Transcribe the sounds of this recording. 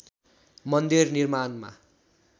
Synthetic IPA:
mʌnd̪irnirmanma̰

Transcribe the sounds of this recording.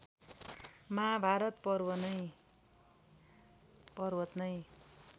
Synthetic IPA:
mabʱaɾʌt̪pʌrwʌnʌj | pʌrwʌt̪nʌj

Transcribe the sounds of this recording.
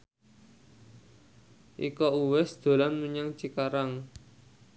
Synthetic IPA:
ʔikɔuwɛsd̪̥o̤lanmuɲaŋt͡ʃikaɾaŋ

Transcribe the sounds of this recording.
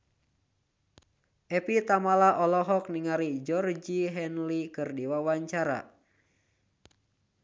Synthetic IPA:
ʔɛpit̪amalaʔɔlɔɦɔk̚niŋaɾid͡ʒɔrd͡ʒiɦɛnlikɨrdiwawaɲt͡ʃaɾa̰

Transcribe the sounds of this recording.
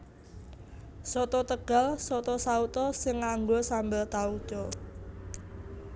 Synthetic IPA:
sɔt̪ɔt̪əɡ̥a̤lsɔt̪ɔsaut̪ɔsɪŋːaŋɡosambəlt̪au̥d͡ʒ̥ɔ

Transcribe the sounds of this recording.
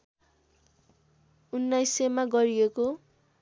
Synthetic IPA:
unːajsemaɡʌɾieko

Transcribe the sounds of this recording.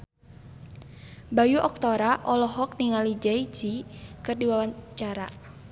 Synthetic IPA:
bajuʔɔk̚t̪ɔɾaʔɔlɔɦɔk̚niŋalid͡ʒɛid͡ʒikɨrdiwawat͡ʃaɾa

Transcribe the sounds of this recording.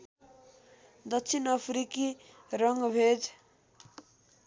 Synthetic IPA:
d̪ʌksʰinʌpʰɾiki | rʌŋɡbʱed͡z

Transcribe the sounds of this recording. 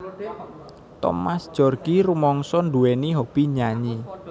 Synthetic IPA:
t̪ɔ̰masd̥ʒ̥ɔrɡ̥iɾumɔŋsɔnɖuwɛniɦob̥iɲaɲi

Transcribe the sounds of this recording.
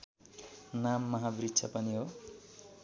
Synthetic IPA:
namːʌɦabritːt͡sʰʌpʌniɦo

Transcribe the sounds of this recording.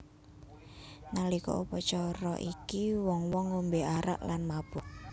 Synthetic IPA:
nalikɔ̰upɔt͡ʃɔɾɔ̰ʔikiwɔŋwɔŋːombeaɾa̰ʔlanmab̥ʊʔ

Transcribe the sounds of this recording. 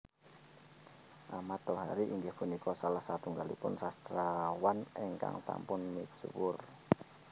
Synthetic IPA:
ʔamat̪ɔɦaɾiʔiŋɡɪhb̥unikɔsalahsat̪uŋɡalḭpʊnsast̪ɾawanɛŋka̰ŋsa̰mpʊnmiswʊr

